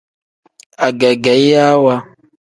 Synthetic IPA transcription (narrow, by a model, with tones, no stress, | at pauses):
a˨ɡɛ˨ɡɛ˨˦i˦ja˦wa˦